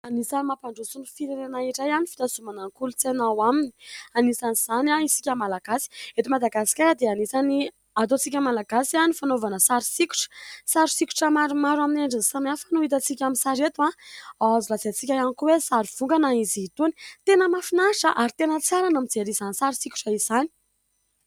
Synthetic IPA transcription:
anisanimapaɳɖ͡ʐusunifiɾenenaiɾajanifit̪azumanaŋkulut͡senawamini̥anisaniz̥anaisi̥kʲamalaɡ̥asi̥et̪imad̪aɡasi̥kʲaad̪eanisani | at̪ot͡sikʲamalaɡasianifanovanəsaɾisiku̥ʈ͡ʂə̥saɾusikʲu̥ʈ͡ʂəmaɾumaɾwamineɳɖ͡ʐinisamafanuit̪̬ət͡sikʲaminsaɾet̪waaazilat͡set͡sikʲajanikuwesaɾuv̥uŋɡanaiziit̪uni̥t̪enəmafinaʃəʔaɾit̪enət͡saɾanamid͡zeɾizanisaɾusikʲu̥ʈ͡ʂaizani̥

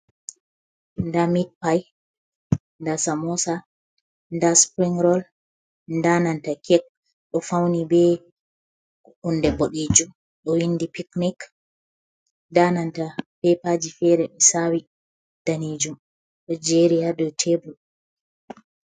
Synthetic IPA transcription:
ndamit̚paj | ndasamɔsa | ndaspɾiŋɾɔl | ndanantakʰɛk̚ | ɗɔfawnibɛ | undɛboɗid͡ʒum | ɗɔwindipiknik | danantapɛpad͡ʒifɛɾɛmisawi | d̥anid͡ʒum | ɗɔd͡ʒɛɾijadɔtʰebu

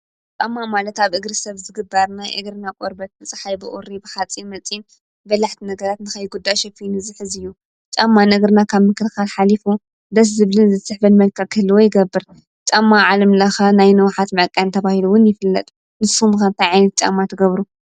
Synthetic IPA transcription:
t͡ʃʼamːamalɐt̪aβʔɨɡɾɨsɐβzɨɡɨbːɐɾnajʔɨ̰ɡɾɨnakʼoɾbɐt̪̚mɨt͡sʼħajbɨʔoɾibɨħat͡sʼinmɐt͡sʼin | bɐlaħt̪ʰinɐɡɐɾat̪nɨxɐjɡud̪ːajʃɛfinɨzɨħɨzɨjːu | t͡ʃʼamːanɐɡɾɨnakʰaβmɨkɨlxalħalifu | d̪ɐs̬zɨβlɨnzɨsɨħbɐnmɐlkʰakʰɨlːuwojɪɡɐbːɨɾ | t͡ʃʼamːaʕalɐmlɐxɐnajnɐwħat̪mɐʕkʼːant̪ʰɐβahiluwʊnjɪfɨlːɐ̰t̪ʼ | nɨsumkɐnt̪ʰajʕajnɐt̪̚t͡ʃʼa̰mːat̪ʰɨɡɐβɾu

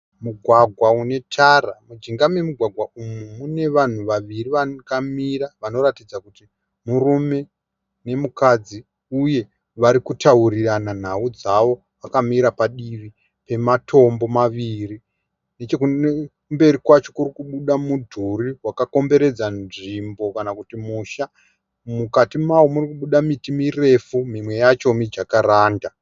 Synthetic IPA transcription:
muɡʱwaɡʱwaune̞tʰaramud͡ʒiŋɡamemuɡʱwaɡʱwaʔumumune̞ʋan̤uʋaʋiriʋakamiɾaʋano̞ɾatid͡zakuti | murume̞ | ne̞mukad͡zi | uje̞ | ʋaɾikutauriranan̤aud͡zaʋo̞ | ʋakamiɾapaɗiʋi | pe̞matʰo̞mbo̞maʋiri | ne̞t͡ʃekue | mbe̞ɾikwat͡ʃo̞kurikuɓuɗamudʱuriwakako̞mbe̞ɾe̞d͡zanʐimbo̞kanakutimuʃa | mukatimawomurikuɓuɗamitimire̞fumimwe̞jat͡ʃo̞mid͡ʒakaɾaːnda

